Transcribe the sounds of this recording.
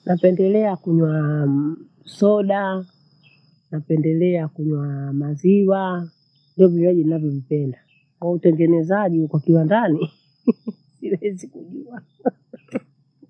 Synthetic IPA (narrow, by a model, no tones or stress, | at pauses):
napɛndɛlɛakuɲwa | sɔɗa | napɛndɛlɛakuɲwamaziwa | ndiɔvivaʄinavjɔvipɛnda | kwautɛŋɡɛnɛzaʄiukakiwandani | silɛzikuʄuwa